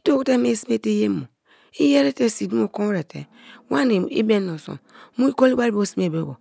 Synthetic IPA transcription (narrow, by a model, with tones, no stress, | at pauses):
i˦to˦ku˦te˦me˦si˦me˦te˦je˦mo˨ | i˦je˦ɾe˦te˦si˨du˦mo˨ko˦ɾe˨tḛ˨ | wa˦n˨ḭ˦be˦no˨so̰˨mu˦i˦ko˦li˦wa˦i˦bo˦si˦m˦e˨be˦ɡo̰˨